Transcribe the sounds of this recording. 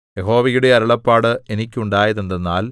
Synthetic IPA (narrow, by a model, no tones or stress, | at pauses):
je̞ɦo̞ːʋɐjuɽe̞ɐɾɐɭɐpːaːɽɨe̞nikʲːuɳɖaːjɐðend̪enːaːl